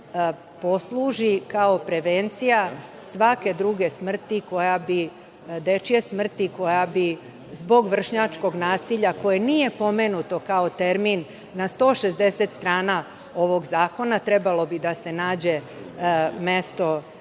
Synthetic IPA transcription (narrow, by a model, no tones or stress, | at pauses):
po̞slˠuʒikao̞pɾe̞ʋent̪sijasʋake̞d̪ɾuɡe̞smr̩t̪iko̞jabi | d̪e̞t͡ʃijesmr̩t̪iko̞jabi | zbo̞ɡʋr̩ʃɲat͡ʃko̞ɡnaːsiʎako̞jeniːje̞po̞me̞nut̪o̞kao̞t̪e̞ɾminː | ast̪o̞ːʃezd̪e̞set̪st̪ɾaːna | o̞ʋo̞ɡzaːko̞nat̪ɾe̞balo̞bid̪ase̞naːd͡ʑe̞ | me̞st̪o̞